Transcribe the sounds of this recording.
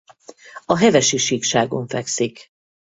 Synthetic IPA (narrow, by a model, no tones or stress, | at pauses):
ɒɦɛvɛʃiʃikʃaːɡoɱfɛksik